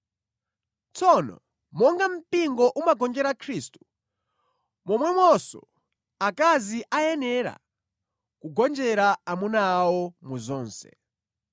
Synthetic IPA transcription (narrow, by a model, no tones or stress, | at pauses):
t͡sɔnɔ̰ | mɔŋɡam̩piŋɡɔʔumaɡɔnd͡ʒɛɾakʰɾiːstu̥ | mɔmwɛmwɔsɔ̰ | akaziʔajɛnɛɾa̰ | kuɡɔnd͡ʒɛɾaamunawɔmɔzɔːnsɛ̰